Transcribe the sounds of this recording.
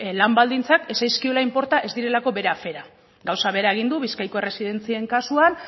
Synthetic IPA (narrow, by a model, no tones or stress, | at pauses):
lambald̪int͡sake̞sajskiolaimpo̞ɾt̪aʔe̞zd̪iɾe̞lako̞βe̞ɾafe̞ɾa | ɡawsaβ̞e̞ɾae̞ɣind̪uβiskajko̞e̞re̞sið̞e̞nt͡sieŋkasuan